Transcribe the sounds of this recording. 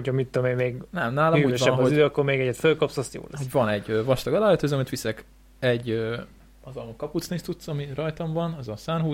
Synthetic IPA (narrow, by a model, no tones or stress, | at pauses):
ocʰɒmit̪ːoomenmeːɡnɛmnaːlɒmuøːʃvɛbɒɦoyd̪øɒkːoɾmeːɡɛɟːɛt̪følkɒpsɒst̪jo̰ːlɛoɟvɒnɛɟøːvɒʃt̪ɒɡɒlaːøt̪øːzɒmit̪ʋisɛk | ɛɟːø | ɒzɒlokɒput̪sniʃt̪ut̪sɒmirɒjt̪ɒɱvɒnɒzɒsaːnɦuː